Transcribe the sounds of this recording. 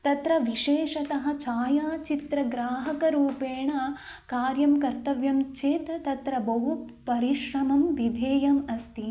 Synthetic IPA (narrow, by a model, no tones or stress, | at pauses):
t̪ɐt̪ɾɐʋiʃeːʂɐt̪ɐɦɐ̆t͡ʃaːjaːt͡ʃit̪ɾɐɡɾaːɦɐkɐɾuːpeːɳɐ | kaːɾjɐmkɐɾt̪ɐʋjɐmt͡ʃeːt̪ɐt̪ɐt̪ɾɐbɐɦu | pːɐɾiʃɾɐmɐmʋid̪ʱeːjɐmɐst̪i